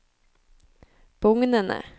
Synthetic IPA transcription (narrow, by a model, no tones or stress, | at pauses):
b̥ʊŋnənə̰